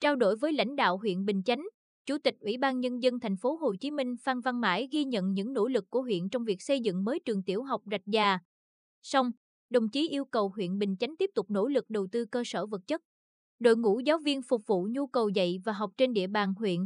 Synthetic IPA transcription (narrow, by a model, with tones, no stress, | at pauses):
t͡ɕaː˧wɗo̰˧˩jvəː˨˦jla̰˧˥jŋ̟ɗa̰ː˧˨wɦwḭ˧˨ənɓï˨˩ŋ̟t͡ɕa˨˦jŋ̟ | t͡ɕu˧˩t̪ï˨˩k̟̚ʔwḭ˧˩˦ɓaː˧nɲə˧nzə˧nt̪ʰɛ˨˩jŋ̟fo˨˦ɦo˨˩t͡ɕi˨˦mï˧ŋ̟faː˧nva˧nma̰ː˧˥jɣi˧ɲə̰˧˨nɲɨ̰˧˥ŋno̰˧˥lɨ˨˩kːu˧˩əɦwḭ˧˨ənt͡ɕɔ˧wŋ͡mvi˨˩ək̚sə˧jzɨ̰˧˨ŋməː˨˦jt͡ɕɨ˨˩əŋt̪i˧˩əwɦa˨˩wk͡p̚za˨˩jk̚zaː˨˩ | sa˧wŋ͡m | ɗə˨˩wŋ͡mt͡ɕi˨˦ʔi˧əwkə˨˩whwḭ˧˨ənɓï˨˩ŋ̟t͡ɕa˨˦jŋ̟t̪i˦˥p̚t̪ʊ˨˩k͡p̚no̰˧˥lɨ˨˩k̚ɗə˨˩wt̪ɨ˧kəː˧səː˧˩və˨˩t̚t͡ɕə˦˥t̚ | ɗo̰˧˨jŋṵ˧˥zaː˨˦wvi˧ənfʊ˨˩k͡p̚vṵ˧˨ɲu˧kə˨˩wzə̰˧˨jvaː˨˩ɦɔ˨˩wk͡p̚t͡ɕe˧nɗḭ˧˨əɓaː˨˩nɦwḭ˧˨ən